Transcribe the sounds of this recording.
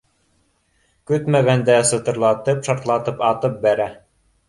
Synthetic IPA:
kʉt̪mæɡænd̪æsɤ̆t̪ɤ̆ɾlˠɑt̪ɤpʃɑɾt̪lˠɑt̪ɤpɑt̪ɤp̚bæɾæ

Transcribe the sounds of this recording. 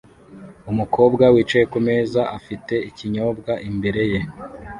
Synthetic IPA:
umukʰo̞ːbɡawiːt͡ʃejekume̞ːzaʔafite̞iciɲo̞ːbɡaʔimbe̞ɾe̞je

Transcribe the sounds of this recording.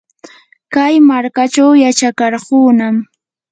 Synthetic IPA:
kajmaɾkat͡ʃawjat͡ʃakɑɾɢuːnam

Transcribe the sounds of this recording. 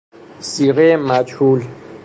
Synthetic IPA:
siːɣeːmaːt͡ʃʰuːl

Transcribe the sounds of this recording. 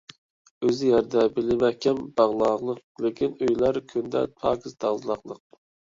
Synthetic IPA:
øzjɛɾd̪ɛbɪlɪmɛhkʲɛmbɑʁlˠɑːʁlˠəq̚ | lekʲʰinøjlæɾkʲʰynd̪ɛ̰t̪ʰɑ̰ːkʰʲizd̪ɑzlˠɑqlˠəq̚

